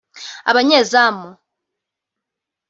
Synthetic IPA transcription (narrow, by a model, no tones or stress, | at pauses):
a̰βaɲezamɔ